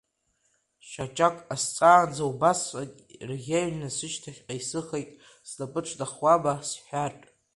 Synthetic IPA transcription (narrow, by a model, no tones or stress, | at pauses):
ʃat͡ʃʼakʼast͡sʼaːd͡zawbasakʲʼrʁʲaɥlnɨsɨʃtʰaχʲqʼaisɨχejtʼ | sdapʼɨʈ͡ʂʷʰdaχwabasħᶣaʈ͡ʂʼ